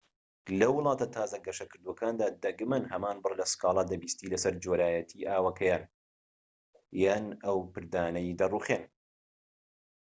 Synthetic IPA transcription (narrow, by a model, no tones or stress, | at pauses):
lɐwɨlˠɑːt̪ɐt̪ʰaːzɐɡɐʃɐkɨɾd̪uwɐkʰaːnd̪aːd̪ɐɡmɐnhɐmaːnbɨrlɐsɨ̥kɑːlˠɑd̪ɐbiːst̪iːlɐsɐɾd͡ʒoːɾaːjɐt̪ʰiːʔaːwɐkʰɐjaːn | janɐwpɨɾd̪aːnɐjd̪ɐruːχeːn